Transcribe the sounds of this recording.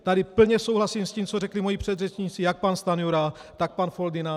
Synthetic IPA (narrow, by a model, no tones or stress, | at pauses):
t̪adɪpl̩ɲɛso̞wɦlasimsciːmt͡sorɛklimo̞jipr̝̥ɛd̪rɛt͡ʃɲiːt͡sɪjak̚panst̪anuɾat̪ak̚panfo̞ld̪ɪna